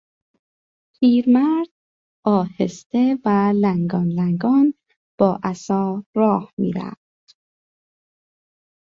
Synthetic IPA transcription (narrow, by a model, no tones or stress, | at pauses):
pʰiːɾmæɾd̪̥̚ | ʔɒːhest̪e̞vælæŋɡɒːnlæŋɡɒːn | b̥ɒːʔæsɒːɾɒːhmḭːɾæ̰ft̪